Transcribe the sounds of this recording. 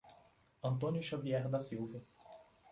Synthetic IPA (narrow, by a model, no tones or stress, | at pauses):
ɐ̃nt̪õnjʊʃaviɛɾd̪ɐsiwvɐ